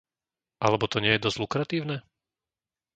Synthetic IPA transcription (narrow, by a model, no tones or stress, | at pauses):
ʔalɛbɔt̪ɔɲɪɛjɛd̪ɔzlukɾat̪iːʊnɛ